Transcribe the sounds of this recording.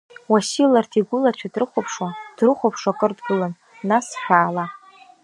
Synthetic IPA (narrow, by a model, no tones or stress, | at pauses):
wasilartʰiɡʷʊlat͡ʃʷʰadrɨχʷopʰʂad̥rɨχʷopʰʂakʼɨrtʰɡʊlan | nasħᶣaːla